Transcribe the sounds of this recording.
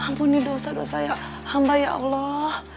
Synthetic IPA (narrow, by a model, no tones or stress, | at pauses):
hampunidosado̰sajaʔ | hambajaʔa̰lɔh